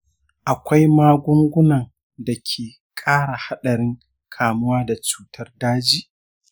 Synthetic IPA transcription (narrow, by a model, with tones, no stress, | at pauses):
ʔa˨kʷa˦jmaː˦ɡʷʊ˦ŋɡʷʊ˦nɐ˨n | da˨kʲʰeː˨ | kʼaː˦ɽa˨ha˦ɗɐ˨ɾɪ˦ŋ | kʰaː˨mʊ˦waː˦da˨t͡ʃu̥ː˦tʰɐ˦rdaː˦d͡ʒiː˦ʔ